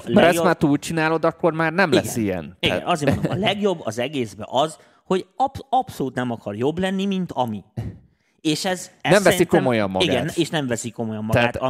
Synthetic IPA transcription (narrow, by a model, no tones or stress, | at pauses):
lmɛɾɛsomaːrt̪uːlt͡ʃinaːlo̞d̪ɒkːo̞rmaːrnɛmliɛɡsːijɛ̰nt̪iɛɡ̰nɒzeːɾmonoɒlɛɡjo̞bːɒzɛɡeːzbɛ̰ʔɒz | ho̞ɟpɒpso̞luːt̪nɛmɒkɒrjo̞blɛnːimint̪ɒmi | eːʃɛznɛmvɛsiko̞mo̞jɒmːɒiɡ̰aɡɛnːeːʃnɛɱvɛsiko̞mo̞jɒmːɒɛɡːt̪